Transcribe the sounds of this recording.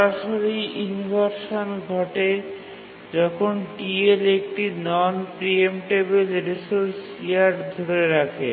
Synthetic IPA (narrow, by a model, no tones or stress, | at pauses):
ɾaʃoɾiʔinibʱaɾʃonɡʱɔʈe | d͡ʑɔkʰonʈielek̚ʈinɔnpɾiemʈebelɾesoɾs | iaɾd̪ʱoɾeɾakʰḛ